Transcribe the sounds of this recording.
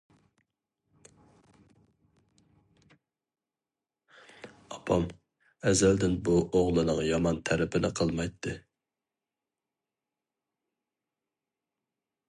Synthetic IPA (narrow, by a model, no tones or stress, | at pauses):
ɑpʰɑm | ɛzæld̪ɪnbuʔoʁlˠɨnɨŋjɑmɑnt̪ʰæɾɪpʰɪnɪqʰəlˠmɑjt̪ʰːɨ